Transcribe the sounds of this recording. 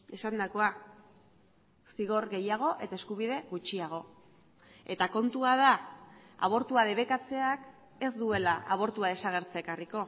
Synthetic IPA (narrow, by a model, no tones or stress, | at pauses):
e̞sand̪ako̞a | siɣ̞o̞ɾɣe̞jaɣ̞o̞ʔe̞t̪ae̞skuβ̞iðe̞ɣut͡ʃiaɣ̞o̞ | e̞t̪ako̞nt̪uað̞aa̰β̞o̞ɾt̪uað̞e̞βe̞kat͡se̞ak | e̞zd̪ue̞laʔaβ̞o̞ɾt̪uað̞e̞saɣ̞e̞ɾt͡seːkariko̞